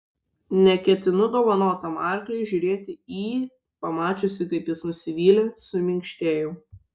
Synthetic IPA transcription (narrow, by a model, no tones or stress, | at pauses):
nʲɛkʲɛt̪ʲɪnʊd̪oːʋɐnoːt̪ɐmɑˑɾʲklʲɛɪʒʲʊɾʲeːt̪ʲɪiː | pɐmɑːt͡ʃʲosʲɪkɐɪpjɪsnʊsʲɪʋʲiːlʲɛsʊmʲɪŋʲkʃʲt̪ʲeːjʊ